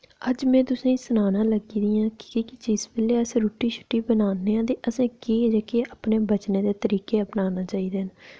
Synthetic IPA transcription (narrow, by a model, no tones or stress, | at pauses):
əd͡ʒmɛ̃ːt̪ʊsẽːĩːsʊnaːnãːləɡiːd̪ijãːkɪ̥kiːkɪd͡ʒɪsbeːleːəsɾuːʈiːt͡ʃʰʊ̥ʈːiːbənaːnːeːãːt̪̬eːʔəsẽːkeːd͡ʒaːkeːapneːbət͡ʃneːd̪eːt̪əɾiːkeːəpnaːnaːt͡ʃaːiːd̪eːn